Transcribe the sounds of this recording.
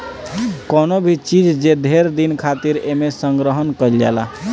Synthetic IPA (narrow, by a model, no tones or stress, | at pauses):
konobʱit͡ʃid͡ʒd͡ʒed̪ʱeɾd̪inkʰat̪iɾemesəŋɡɾəɦənkəld͡ʒɛ̰la̰